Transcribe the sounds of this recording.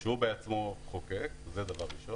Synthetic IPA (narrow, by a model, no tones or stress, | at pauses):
ʃeubeat͡smoχokekzed̪avaʁiʃo